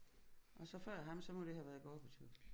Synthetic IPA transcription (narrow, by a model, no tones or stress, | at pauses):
ʔɒ̽sɒ̽fɶɐ̰ɦɑ̈msɒ̽mɒ̽d̥e̝ɦæʋæɐð̩ˠɡ̥ɒːb̥et͡sʰy̰̥